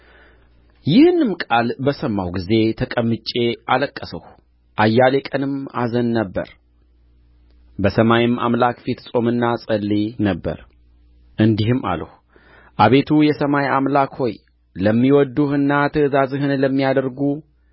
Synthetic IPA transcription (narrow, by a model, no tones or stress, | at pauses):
jɪhɨnɨmkʼalbəsəmːawɡize̞t̪ʰəkʼəmːɨt͡ʃʼːe̞ʔaləkʼːəsəh | ʔajːale̞kʼənɨma̰zənːəbːə̰ɾ | bəsəmajɪmʔa̰mlakfit̪sʼo̞mɨnːasʼəlːinəbːə̰ɾ | ʔɨnd̪ihɨmːa̰lə̰h | ʔaβe̞t̪ʰujɛsəmajamlakho̞j | ləmːiwɔd̪ːuhɨnːat̪ʰəɨzazɨhɨnləmːijad̪əɾɡu